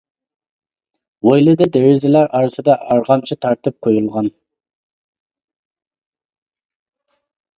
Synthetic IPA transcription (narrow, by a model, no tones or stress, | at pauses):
wojlˠɨd̪ɨd̪eɾɪzɪlæɾʔɑɾɨsɨd̪ɑʔɑɾʁɑmt͡ʃʰit̪ʰɑɾt̪ɨp̚qʰojulˠʁɑn